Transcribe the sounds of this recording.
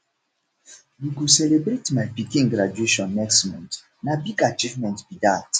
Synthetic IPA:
wiɡusɛlebɾetmajpikĩŋɡɾad͡ʒueʃɔ̃nːɛkstmɔ̃nt | nabiɡat͡ʃivmɛ̃ntbidat

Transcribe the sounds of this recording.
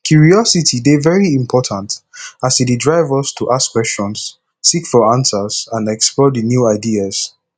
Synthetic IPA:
kʰjuɹiɔsitʰidevɛɹiĩmpʰɔtʰãntasididɹaɪvɔstʰuʔaskwɛst͡ʃɔ̃ns | sikfɔãnsəz̥ãnɛksplɔdɨnjuaɪdiaz̥

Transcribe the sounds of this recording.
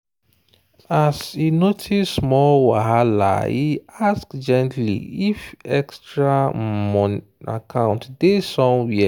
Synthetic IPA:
asinotʰimɔlwaɦala̰iaskd͡ʒɛ̃ntʰlḭifɛkstɹamɔ̃n | a̰kʰãʊ̃ntdesɔ̃nwiɛ

